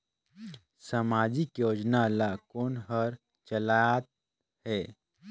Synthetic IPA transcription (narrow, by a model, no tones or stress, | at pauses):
səmaːd͡ʒikjoːd͡ʒnalakoːnɦəɾ | t͡ʃəlat̪̚ | hɛː